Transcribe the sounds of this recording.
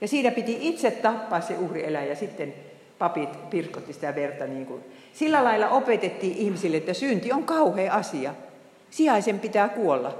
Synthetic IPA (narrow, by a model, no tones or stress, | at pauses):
jɑsiːnæpit̪iit̪set̪t̪ɑpːɑˑːsseuhrielæjæsit̪ːen | pɑpit̪pirkot̪ːisĭ̥t̪æʋert̪ɑniːŋkun | silːælɑilːˑɑʔopet̪et̪ːiːʔʔihmisilːeet̪ːæsynt̪ioŋkɑuheːɑsiɑ | siɑisempit̪æːkuolːɑ